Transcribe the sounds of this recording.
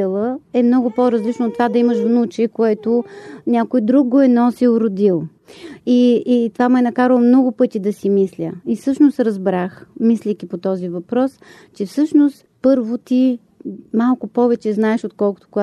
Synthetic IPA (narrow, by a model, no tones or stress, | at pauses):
ɛlˠəɛmnɔɡʊpoɾɐzlit͡ʃnoːt̪ːvad̪ɐiməʃvnut͡ʃɛkoɛt̪onʲakojd̪ɾuɡɡoɛnɔsiʊɾʊd̪ʲilˠ | iːt̪vamɛnɐkaɾəlˠmnɔɡʊpɤt̪ʲid̪ɐsimislʲəifsɤʃnost̪ɾɐzbɾaxmislʲɛkʲipot̪ɔzivɐpɾɔs | t͡ʃɛfsɤʃnost̪pɤɾvot̪i | malˠkʊpɔvɛt͡ʃɛznaɛʃot̪̚kɔlˠkʊ̥t̪o̥koɡa